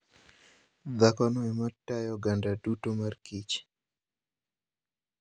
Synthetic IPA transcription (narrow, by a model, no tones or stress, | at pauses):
d̪akɔnɔɛmatajɔɡandadutomarkit͡ʃ